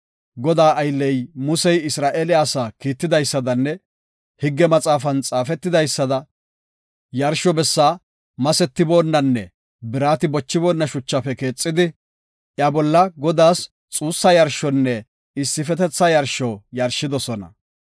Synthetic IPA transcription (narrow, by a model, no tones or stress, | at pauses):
ɡɔd̪aːʔɐjlːɛjmʊsɛjɪsɾaːʔelɪaːsaːkiːt̪ːɪd̪ɐjsːɐd̪ɐnːɛ | hɪɡːɛmɐt͡sʼaːfɐnt͡sʼaːfɛt̪ːɪd̪ɐjsːɐd̪ɐ | jɐɾʃɔbɛsːaː | mɐsɛt̪ːɪbo̞ːnːɐnːɛ | bɪɾaːt̪ɪbɔt͡ʃːɪbo̞ːnːɐʃʊt͡ʃːɐfɛke̞ːt͡sʼːɪd̪ɪ | ʔjabɔlːɐɡɔd̪aːs | t͡sʼuːsːɐjɐɾʃɔnːɛ | ɪsːɪfɛt̪ɛt͡sːɐjɐɾʃɔjɐɾʃːɪd̪ɔsɔnɐ̰